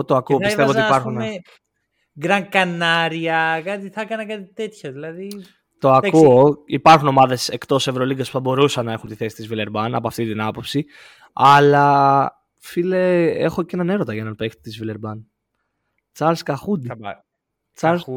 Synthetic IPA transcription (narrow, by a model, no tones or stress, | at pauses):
t̪oɐkuotpiseɐvoipɐɾxunme | ɡɾɐŋkɐnɐɾiɐkɐt̪iθɐkɐnɐkɐt̪it̪e̞t̪çɐðilɐði | t̪o̞ɐkuoipɐɾxuno̞mɐðe̞se̞kt̪o̞se̞vɾo̞liɡɐspu̥θɐbo̞ɾusɐnːɐe̞xunt̪iθe̞si̥t̪izvile̞ɾbɐnɐpoɐft̪it̪inɐpo̞psi | ɐlɐ | fileḛxo̞cenɐne̞ɾo̞t̪ɐʝɐenɐnpekt̪t̪izvileɾbɐn | t͡sɐlskɐxud̪i | t͡s